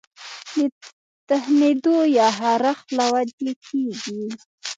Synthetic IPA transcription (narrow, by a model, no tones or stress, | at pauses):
d̪ə | t̪ahnid̪ojɑɦaɾaxlawad̪ekʰeɡi